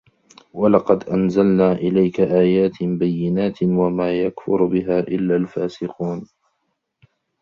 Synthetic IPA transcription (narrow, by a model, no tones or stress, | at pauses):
walɑqɑd̪ʔanzalnaːʔɪlajkaʔaːjaːt̪bajːɪnaːt̪wamaːjakfʊ̰ɾbɪɦaːʔɪlːaːlfaːsɪquːn